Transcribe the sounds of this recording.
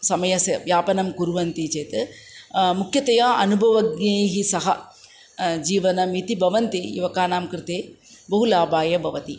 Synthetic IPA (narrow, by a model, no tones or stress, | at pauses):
sɐmɐjɐsɐʋjaːpɐnɐmkuɾuʋɐnt̪it͡ʃeːt̪ | mukʰjɐt̪ɐjɐɐnubʱɐʋɐɡneːɦisɐɦɐ | d͡ʒiːʋɐnɐmit̪ibʱɐʋɐnt̪iḭʋɐkaːnaːmkɾɪt̪eː | bɐɦulaːbaːjɐbʱɐʋɐt̪i